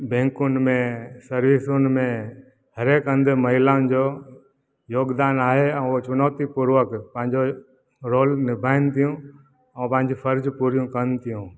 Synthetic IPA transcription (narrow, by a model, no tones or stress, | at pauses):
bẽːŋkʊnmẽsəɾʋiːsʊnmẽ | həɾeːkə̃nd̪məɦɪlãːnd͡ʒoː | joːɡd̪aːnaːɦeɛ̃ũot͡ʃʊnoːt̪ipuɾʋəkpə̃ɦɪ̃ɲd͡ʒo | ɾoːlnɪbʱaːɪnt̪ijũ | ə̃pə̃ɦɪ̃ɲd͡ʑipʰəɾd͡ʒpuːɾijũkənt̪ijũː